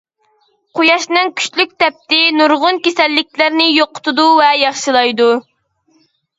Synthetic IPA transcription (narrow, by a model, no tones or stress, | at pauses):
qʰojɑʃnɨŋkʲʰy̥ʃlyk̚ʲt̪ʰɛp̚t̪ɪnuɾʁʊnkʲesɛlːɪkʲlɪɾnɪjoqʰːʊ̥t̪ʰud̪uvɛjɑχʃɨlˠɑjd̪u